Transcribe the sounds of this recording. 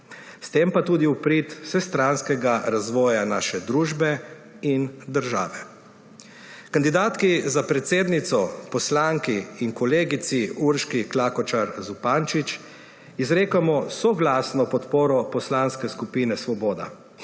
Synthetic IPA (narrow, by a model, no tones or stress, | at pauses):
st̪eːmpat̪uːd̪iupɾit̪sɛst̪ɾanskɛɡaɾazʋɔːjanaːʃɛd̪ɾuːʒbɛ | ind̪əɾʒa̰ːʋɛ | kand̪id̪aːt̪kizapɾɛt̪seːd̪nit̪sɔpɔslaŋkiiŋkɔleːɡit̪siuɾʃkiklaːkɔt͡ʃaɾzupant͡ʃit͡ʃ | izɾeːkamɔsɔɡlaːsnɔpɔt̪poːɾɔpɔslanskɛskupiːnɛsʋɔbɔːd̪a̰